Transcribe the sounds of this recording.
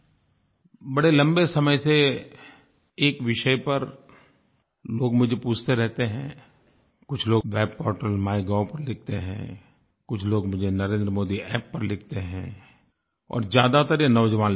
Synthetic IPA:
bɐɽelɐ̃mbesɐməjse | eːkʋɪʃəjpɐɾ | loːɡmʊd͡ʒʱepuːt͡ʃʰt̪eɾɛɦt̪eɦɛ̃ː | kʊt͡ʃʰloːʋɛːb̚pɔːɾʈəlmaːjɡaːwpɐɾlɪk̚ʰt̪eɦɛ̰̃ | kʊt͡ʃʰloːɡmʊd͡ʒʱenɐɾẽːnd̪ɾəmoːd̪iɛːpːɐɾlɪk̚ʰt̪eɦɛ̰̃ː | ɔ̰ːɾzjaːd̪at̪ɐɾjenɔːd͡ʒəʋãːn

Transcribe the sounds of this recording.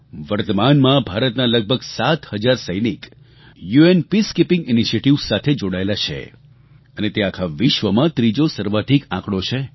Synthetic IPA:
ʋəɾt̪əmanmãbʱaɾət̪naləɡ̚bʱəɡsat̪həd͡ʒaɾsəjnik | juenpiskipɪ̃ŋɡiniʃieʈiʋsat̪ʰed͡ʒoɽaelat͡ʃʰḛ | ənet̪eakʰaʋɪʃʋəmãt̪ɾid͡ʒosəɾʋad̪ʱikãkɽot͡ʃʰe

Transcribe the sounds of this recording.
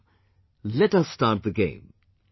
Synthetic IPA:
lɛtʌsːtɑːˑt̚ðɨɡḛ̃ɪ̃m

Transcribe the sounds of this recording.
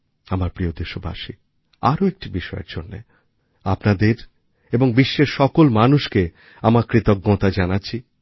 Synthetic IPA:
amaɾpɾijod̪eʃobʱa̰ʃi | a̰ɾoek̚ʈibiʃɔḛɾd͡ʑonːḛ | apnad̪eɾ | eboŋbiʃːeɾʃɔkolmanuʃke | amaɾkɾit̪ok̚ɡːɔt̪ad͡ʑanatːɕʰi

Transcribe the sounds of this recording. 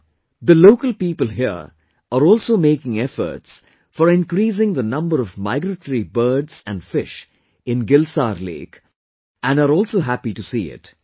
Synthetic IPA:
d̪əloːkəlpiːpəlɦiə̰ | əɾɔːlsoːmeːkɪ̃ŋɛfə̰ɾʈs | fɔɾɪ̃nkɾiːs̬ɪ̃ŋd̪ənʌ̃mbəɾɔvma̰ɪɡɾəʈɾibəːɖz̥æ̰̃nfɪʃ | ɪ̃nɡɪlsa̰ːɾlḛːk | ʔæ̃nɖaɾɔːlsoːɦæpiʈusḭːɪ̰t

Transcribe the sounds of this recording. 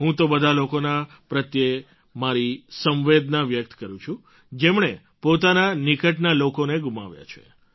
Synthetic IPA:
ɦũt̪obəd̪ʱalokona | pɾət̪je | maɾisə̃mʋed̪naʋjək̚t̪kəɾũt͡ʃʰũ | d͡ʒemɳe | pot̪ananikəʈnalokoneɡuma̰ʋja̰t͡ʃʰḛ

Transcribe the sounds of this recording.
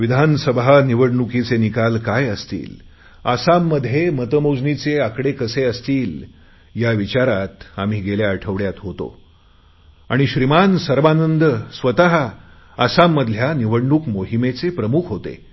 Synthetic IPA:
ʋid̪ʱansəbʱaniʋəɽɳukit͡senikalkajəst̪ḭːl | asamːəd̪ʱːjemət̪əmod͡znit͡seakɽekəseəst̪iːl | jaʋit͡ɕaɾat̪am̤iːɡeljaəʈʰəʋɽjat̪ɦot̪o̰ | a̰ɽ̃iɕɾimansəɾʋanənd̪əsʋət̪aɦa | asamːəd̪ʱljaniʋəɽɳukmoɦimet͡sepɾəmukʰɦot̪ḛ

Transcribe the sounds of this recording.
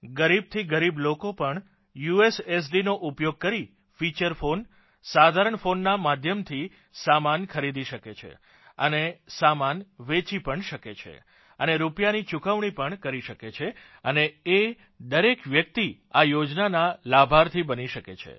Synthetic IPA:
ɡəɾib̚t̪ʰiɡəɾiblokopəɳ | jueses̬ɖinoʔupjoɡ̚kəɾi | fit͡ʃəɾfon | sad̪ʱaɾəɳfonːamad̪ʱjəmt̪ʰi | samankʰəɾid̪iʃəket͡ʃʰḛ | ə̰nesamanʋet͡ʃipəɳʃəket͡ʃʰḛ | əneɾupjanit͡ʃukʰəʋɳ̃ipəɳkəɾiʃəket͡ʃʰe | ənee | d̪əɾekʋjək̚t̪i | ajod͡ʒnanalabʱaɾt̪ʰibəniʃəkḛt͡ʃʰḛ

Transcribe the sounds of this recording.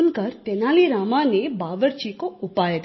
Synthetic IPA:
nkəɾt̪ɛnaliɾamanebaʋəɾt͡ʃikoupajet̪

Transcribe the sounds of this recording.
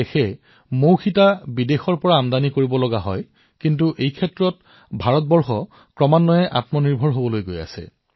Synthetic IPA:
exɛ | mowxitabidexɔɹpɔɹaːmdanikoɹibɔlɔɡaɦɔj | kintuʔejkʰɛtɹɔt̚ | bʱaɹɔt̚bɔɹxɔ | kɹɔmanːɔjɛʔa̰tmɔniɹbʱɔɹɦobɔlojɡoja̰sɛ̰

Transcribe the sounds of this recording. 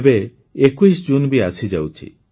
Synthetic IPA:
be | ekuis̬d͡ʒunbʱiasʰid͡ʒawt͡ʃʰḭ

